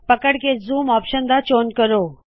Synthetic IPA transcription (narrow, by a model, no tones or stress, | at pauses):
pəkəɽkezuːmɔːpʃənd̪at͡ʃoːnkəɾoː